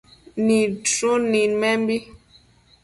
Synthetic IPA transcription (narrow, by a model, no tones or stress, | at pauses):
nidɾunimɛmbi